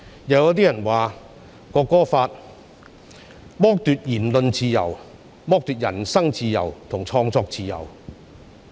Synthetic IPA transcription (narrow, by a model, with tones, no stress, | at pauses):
jɐ˨˧wjɐ˥t̪iː˥jɐ˨˩nwaː˨ | kɔː˧kɔː˥faː˧t̚ | mɔː˥k̚t̪yː˧t̚jiː˨˩nlɵ˧nt͡siː˧jɐ̰˨˩w | mɔː˥k̚t̪yː˧t̚jɐ˨˩nsɐ˥ŋt͡siː˧jɐ̰˨˩wt̪ʰʊ˨˩ŋt͡sʰɔː˧ŋt͡sɔː˧k̚t͡siː˧jɐ̰˨˩w